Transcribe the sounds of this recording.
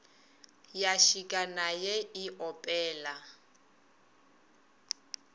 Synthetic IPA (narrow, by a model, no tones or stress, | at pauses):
jaʃikʼanajɛiʔɔpʼɛːla